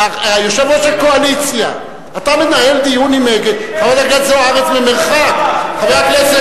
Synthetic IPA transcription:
aajoʃevot̪ʃelko̞alit͡sja̰ | at̪amenae̞ld̪ijunimeɡed̪χaved̪aɡat̪zeaʁet͡smemeʁχakχavejaklet͡se

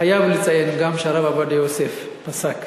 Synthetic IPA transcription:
ajavlit͡sajenɡamʃaɾavavad̪ejosef | pasak

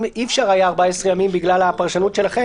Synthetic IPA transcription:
mifʃaʁajaːʁbaesʁejamimbiɡlalhapaʁʃanut̪ʃe̞laχe

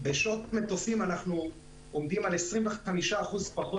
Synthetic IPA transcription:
beʃotmet̪ofimanaχnu | omd̪imale̞sʁimveχamiʃaːχuzpaχo

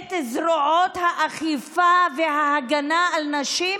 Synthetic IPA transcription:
t̪ezʁoʕot̪haʔaχifaveɦaaɡanaːlnaʃi

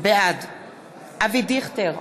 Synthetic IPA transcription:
bead̪ | avid̪iχt̪eʁ

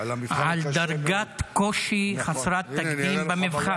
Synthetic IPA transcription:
ʕald̪aɾɡat̪koʃiχasɾat̪ːakd̪imbemivχa

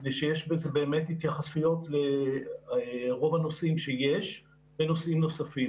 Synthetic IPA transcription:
nejʃejeʃbezebeːme̞thitjaχasujo̞tle | ʁo̞vano̞simʃejeʃ | beno̞simno̞safim

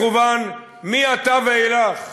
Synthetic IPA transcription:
uban | miat̪avelaχ

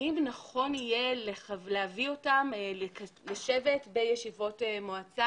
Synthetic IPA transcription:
imnaχo̞nije̞lealeavio̞tamekleʃevetbe̞jeʃivo̞temoat͡sa

